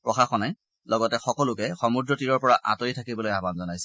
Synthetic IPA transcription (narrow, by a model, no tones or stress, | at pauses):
pɹɔxaxɔnaj | lɔɡɔtɛxɔkɔlʊkɛxɔmudɹɔtiɹɔɹpɔɹaʔa̰tojtʰakibɔlojabanzɔnajsɛ̥